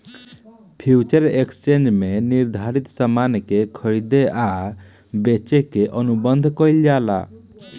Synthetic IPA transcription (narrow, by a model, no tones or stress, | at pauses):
pʰut͡ʃəɾekst͡ʃend͡ʒmeniɾd̪ʱaɾit̪samankekʰɔɾid̪ea | bet͡ʃekeʔɔnubɔnd̪ʱkɔjljala̰